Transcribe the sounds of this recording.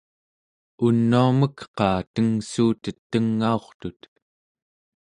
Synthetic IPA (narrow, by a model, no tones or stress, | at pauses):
unːuaməkqɑːt̪əŋsuːt̪ət̪ːəŋːao̞χt̪ut̪